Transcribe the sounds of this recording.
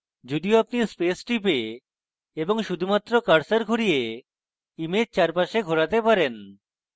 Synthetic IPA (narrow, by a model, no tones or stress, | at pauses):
d͡ʑod̪ioapniɾspesʈipe | eboŋʃud̪ʱumat̪ːɾokaɾsaɾɡʱoɾije | imed͡ʑt͡ɕaɾpaʃeɡʱoɾat̪epaɾen